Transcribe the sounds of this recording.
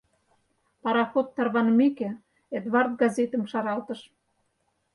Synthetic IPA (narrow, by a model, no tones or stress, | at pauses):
pɑɾɑxot̪ːɑrβɑnəmikĕ | ed̪βɑrt̪̚ɡɑzʲet̪ə̆mʃɑɾɑlt̪ə̆ʃ